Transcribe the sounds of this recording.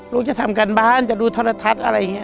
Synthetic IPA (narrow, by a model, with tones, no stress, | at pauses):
ɾuː˦˥t͡ɕa˧˨t̪ʰa˧˨mka˨nbaː˧˥˨nt͡ɕa˨˧˩duː˧t̪ʰɔ˧˥la˧t̪ʰa˧˥t̪̚ʔa˧ɾa˧ja˨ŋːi˦˧˥